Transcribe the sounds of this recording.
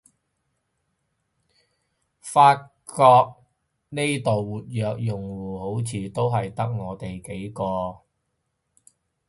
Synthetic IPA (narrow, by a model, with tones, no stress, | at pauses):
faː˧t̚kɔː˧k̚ | ne˥jt̪o˨wːuː˨t̚jœː˨˧k̚jʊ˨˩ŋwuː˨˩ho˨˥wt͡sʰiː˨˧t̪o˥wɦɐ˨jt̪ɐ˥k̚ŋɔː˨˧t̪e˨jke˨˥jkɔː˧